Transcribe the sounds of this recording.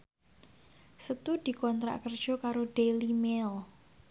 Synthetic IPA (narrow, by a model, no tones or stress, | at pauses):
sət̪ud̪̥i̤kɔnt̪ɾa̰ʔkərd̥ʒ̥ɔ̤kaɾoɖ̥elimel